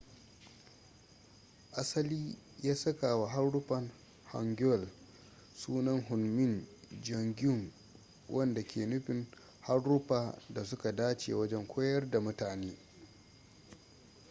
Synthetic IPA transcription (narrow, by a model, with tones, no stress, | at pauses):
ʔa˦sɐ˦liː˦jaː˦sɐ˦kaː˨wa˨ɦa˦rɽʊ˦ɸɐ˨n | ha̰˨ŋɡʲʊ˦ɔ˨l | suː˦nɐ˦ŋɦʊ˨nmɪ˦nd͡ʒɐ˨ŋɡʲʊ˦˨ŋ | wʔɐ˦nda˨kʲʰeː˨nʊ˦ɸɪ˨ŋ | ha˦rːʊ˦ɸaː˨da˨sʊ˦ka˨daː˦t͡ʃḛ˨wɐ˦d͡ʒɛ˦ŋkʷʰoː˦jɐ˦rda˨mʊ˦taː˨neː˦